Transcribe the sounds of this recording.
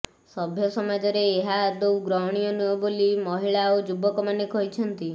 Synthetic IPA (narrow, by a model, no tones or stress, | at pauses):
sɔbʱjɔsɔmad͡ʒɔɾeːɦad̪uwɡɾɔwɽ̃ijɔnuɔbolimɔɦiɭaod͡ʒubɔkɔmanekɔɦit͡ʃʰɔnt̪i